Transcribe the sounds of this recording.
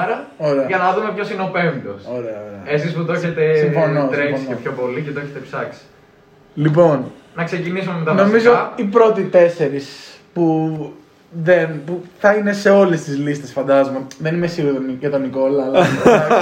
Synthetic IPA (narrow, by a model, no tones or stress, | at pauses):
ɾɐoɾeɐʝɐnɐðume̞pço̞sineo̞pemd̪osoɾe̞ɐoɾeɐesisput̪oçet̪essimfo̞nosɾefosnoepçopo̞licet̪oeçet̪epsɐksi̥ | lipo̞n | nɐkse̞cinisumemet̪ɐnno̞mizoipɾo̞t̪it̪e̞se̞ɾis | pu | ðe̞npuθɐine̞se̞o̞le̞st̪izlist̪e̞sfɐnd̪ɐzomoðenimesiuðoncet̪oniko̞lɐːl